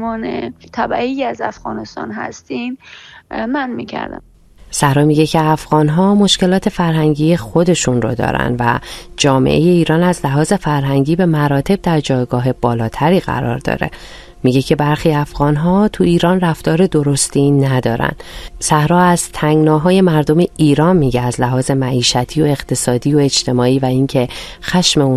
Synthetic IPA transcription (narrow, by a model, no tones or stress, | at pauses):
ɒːnḛt̪ʰæbæiːjæzæ̰fɣ̥ɒ̰ːnest̪ɒ̰ːnɦæ̰st̪im | mænmḭcʰæ̰ɾd̪æ̰m | sæhɾɒːmiːɟe̞cʰe̞æfɣɒːnɦɒːmo̞ʃce̞lɒːt̪ʰe̞fæɾɦæŋɟiːje̞xo̞d̪e̞ʃunro̰d̪ɒ̰ːɾæ̰nd̪væd͡ʒɒːme̞̰ʔeje̞iːɾɒːnæzlæɦɒːze̞fæɾɦæŋɟiːbe̞mæɾɒːt̪ʰe̞b̚d̪æɾd͡ʒɒːjɡɒːɦe̞b̥ɒːlɒːt̪ʰæɾiːɣæ̰ɾɒ̰ːɾd̪ɒ̰ːɾe̞̰ | miɟe̞cʰe̞bæɾxiːæfɣ̥ɒːnɦɒːt̪ʰuiːɾɒːnræft̪ɒːɾe̞d̪o̞ɾo̞st̪inæd̪ɒːɾæ̰nd̪̥sæhɾɒːæz̥t̪ʰæŋɡnɒːɦɒːje̞mæɾd̪o̞meʔiːɾɒːnmiːɟeæzlæɦɒːze̞mæʔiːʃæt̪ʰiːoe̞ɣt̪ʰe̞sɒːd̪iːjoe̞d͡ʒt̪ʰe̞mɒːiːvæiŋcʰe̞ | xæʃme̞un